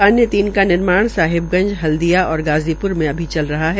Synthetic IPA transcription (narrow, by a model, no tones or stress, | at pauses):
aːnjət̪iːnkanɪɾmaːɽ̃saːɦɪb̚ɡɐ̃nd͡ʒɦɐld̪ijaɔːɾɡaːzipʊɾmẽɐbʱit͡ʃɐlɾɐɦaɦɛ